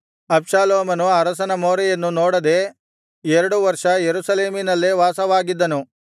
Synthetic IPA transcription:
ɐbʂaːloːmɐnuɐɾɐsɐnɐmoːɾɐjɐnːunoːɽɐd̪e̞ | eɾɐɽuʋɐɾʂɐjeɾusɐle̞ːminɐlːeʋaːsɐʋaːɡid̪ːɐnu

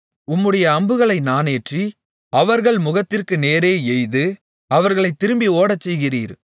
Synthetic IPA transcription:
ʊmːɯɽɐjɐːmbɯɣɐɭɐɪnaːneːʈri | ɐʋɐɾɣɐɭmʊɣɐt̪ːɪrkɯneːɾeːɛjðɯ | ɐʋɐɾɣɐɭɐɪt̪ːɪɾɯmbioːɽɐt͡ʃːɛjɣɪrḭːɾ

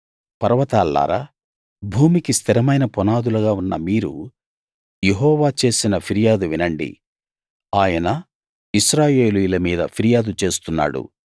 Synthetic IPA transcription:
pɐɾɐʋɐt̪aːlːa̰ːɾa̰ | bʱuːmikist̪ʰiɾɐmɐjnɐpɔnaːd̪ulɐɡaːunːɐ̰miːɾu | jeɦɔːʋaːt͡ʃe̞ːsinɐpʰiɾijaːd̪uʋinɐɳɖḭ | aːjɐnɐ | iʃɾaːje̞ːlujulɐmiːd̪ɐ̰pʰiɾijaːd̪ut͡ʃe̞ːst̪unːa̰ːɽṵ

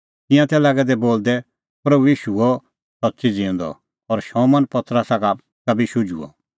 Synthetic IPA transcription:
t̪ɪ̃jãt̪ɛlaːɡɛd̪ɛboːld̪ɛ | pɾɐbuiːʃuɔ | sɐt̪ːsid͡zĩũnd̪ɔ̰ | ɔːɾʃɔ̃mɐnpɐt̪ɾəsaka | kɐbiʃʊd͡ʒṵɔ̰

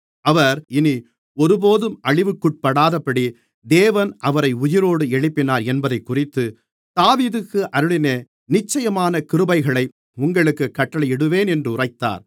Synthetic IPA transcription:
ɐʋɐɾɪni | ɔɾɯpoːðɯmʔɐɭɪʋɯkːʊʈ̚pɐɽaːðɐpːɐɽi | d̪eːʋɐnʔɐʋɐɾɐɪʊjɪɾoːɽɯɛɭɪpːɪnaːɾɛnbɐðɐɪkːʊrɪt̪ːɯ | d̪̥aːʋiːðɯkːɯʔɐɾɯɭɪneː | nɪt͡ʃːɐjɐmaːnɐkɪɾɯbɐɪɣɐɭɐɪ | ʊŋɡɐɭɯkːɯkːɐʈːɐɭɐɪjɛɽɯʋeːnɛndrɯʊrɐɪt̪ːa̰ːɾ

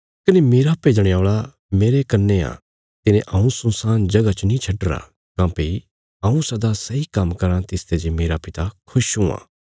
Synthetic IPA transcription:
kɐnemeːɾapeid͡ʒ̪ɐɽ̃jaːɭa | meːɾekɐnːeã̰ | t̪ɪnẽʔɐũsʊ̃saːnd͡ʒɐɡat͡ʃənĩt͡ʃʰɐɖɾa̰ | kãːpei | ɐ̃ũsɐd̪asɐikɐmːkɐɾãt̪ɪst̪ʰed͡ʒemeːɾapɪt̪akʰʊʃɦũa̰ː

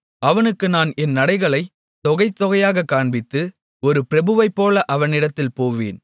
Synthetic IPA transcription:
ɐʋɐnɯkːɯnaːnɛnːɐɽɐɪɣɐɭɐɪ | t̪ɔɣɐɪt̪ːɔɣɐjaːɣɐkːaːɳbɪt̪ːɯ | ɔɾɯpɪɾɐbɯʋɐɪpːoːlɐʔɐʋɐnɪɽɐt̪ːɪlpoːʋḛːn

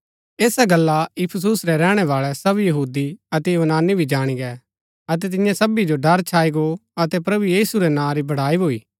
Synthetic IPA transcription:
eːsaɡɐlːaɪpʰəs̬usɾɛɾɛːɽ̃ɛʋaːɭɛsɐbjɐɦuːd̪iɐt̪ɛjʊʋnaːnibʱid͡ʒaːɽ̃iɡɛː | ɐt̪̬ɛt̪ɪ̃jãsɐbid͡ʒoɖɐɾt͡ʃʰaːiɡoɐt̪ɛpɾɐbujiːsuɾɛnãɾibɐɽ̤aːibʱoːiː

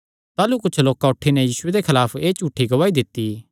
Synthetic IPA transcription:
t̪aːlukʊt͡ʃʰloːkaʊʈʰːinɛjiːsʊed̪ekʰɐlaːpʰeːt͡ʃuːʈʰːiɡɐʋaːid̪ɪt̪ːi

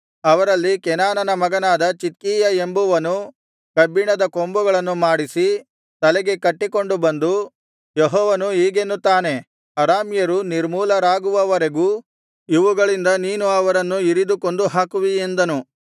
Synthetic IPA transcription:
ɐʋɐɾɐlːikɛnaːnɐnɐmɐɡɐnaːd̪ɐt͡ʃit̪̚kiːjɐembuʋɐnu | kɐbiɳɐd̪ɐkombuɡɐɭɐnːumaːɽisi | t̪ɐlɛɡe̞kɐʈːiko̞ɳɖubɐnd̪u | jeɦɔːʋɐnuɦiːɡenːut̪ːaːne̞ | ɐɾaːmjɐɾuniɾmuːlɐɾaːɡuʋɐʋɐɾe̞ɡuː | iʋuɡɐɭind̪ɐniːnuɐʋɐɾɐnːuiɾid̪uko̞ɳɖuɦaːkuʋiend̪ɐnu

